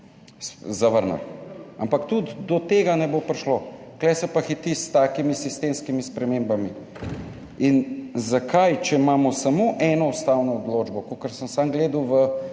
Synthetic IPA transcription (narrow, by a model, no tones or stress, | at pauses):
szaʋəɾna̰lampakt̪ud̪d̪ɔt̪eːɡanɛbopɾiʃloklɛsɛpaxit̪ist̪aːkimisist̪eːmskimispɾɛmeːmbami | inzakʰajt͡ʃɛmaːmɔsamoʔɛnɔust̪awnɔːd̪loːd͡ʒbɔkokəɾsəmsamɡleːd̪uwʋə